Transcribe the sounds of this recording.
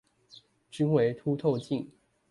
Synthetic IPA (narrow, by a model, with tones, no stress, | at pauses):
t͡ɕi˥ŋwe˧˥ɪt̪ʰu˥t̪ʰo˥˧ʊt͡ɕi˥˩ŋ